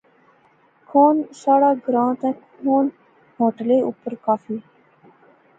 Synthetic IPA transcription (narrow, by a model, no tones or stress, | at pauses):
kʰoːnsaːɽaːɡɾãːt̪ɛ̃k | hoːn | ɦoːʈəleːṵːpəɾkaːfiː